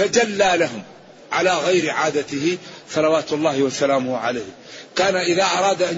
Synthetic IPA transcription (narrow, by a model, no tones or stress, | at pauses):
ad͡ʒalːaːlaɦʊm | ʕalaːɣajɾɪʕaːd̪at̪ɪhɪsˤɑlɑwaːt̪lˤːaːhɪwasalaːmʊhʕa̰laːh | kaːnaʔɪðaːʔɑɾˤɑːd̪ʔan